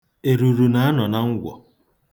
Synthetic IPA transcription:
e˨ɾu˨ɾu˨na˦a˦nɔ˨na˦ŋ̩˦ɡʷɔ̰˨

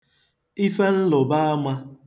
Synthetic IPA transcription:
i˦fe˦n̩˦lʊ˨ba˦a˦mʷa˦

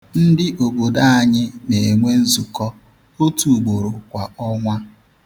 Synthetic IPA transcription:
n̩˦dɪ˦ʔo˨bo˨da˦a˦ɲɪ˦ne˨e˨ŋʷe˦n̩˦zu˨kɔ˦ | o˦tu˨ɡ͡bo˨ɾʊ˨kʷa˨ɔ˦ŋʷa˦

